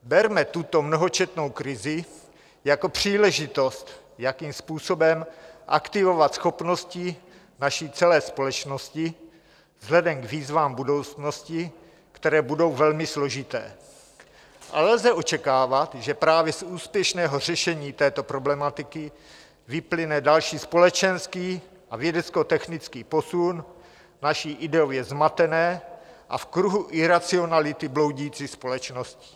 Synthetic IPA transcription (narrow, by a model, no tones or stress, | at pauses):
bɛɾmɛt̪ut̪o̞mno̞ɦo̞t͡ʃɛt̪no̞wkɾɪzɪ | jako̞pr̝̥iːlɛʒɪt̪o̞st̪ | jakiːmspuːso̞bɛmʔa̰kt̪ɪvo̞vat̪sxo̞pno̞scɪ | naʃit͡sɛlɛːspo̞lɛt͡ʃno̞scɪ | vz̥ɦlɛdɛmkviːzvaːmbudo̞wt͡sno̞scɪ | kt̪ɛɾɛːbudo̞wvɛlmɪslo̞ʒɪt̪ɛ̰ː | ʔa̰lɛlzɛʔo̞t͡ʃɛkaːvat̪ʒɛpɾaːvjɛsuːspjɛʃnɛːɦo̞r̝ɛʃɛɲiːt̪ɛːt̪o̞pɾo̞blɛmat̪ɪkɪ | vɪplɪnɛdalʃiːspo̞lɛt͡ʃɛnskiː | ʔavjɛdɛt͡sko̞t̪ɛxnɪt͡skiːpo̞sun | naʃiːʔɪdɛovjɛzmat̪ɛnɛːʔa̰fkɾuɦuʔɪɾat͡sɪo̞nalɪt̪ɪblo̞wɟijiːt͡siːspo̞lɛt͡ʃnoscɪ̥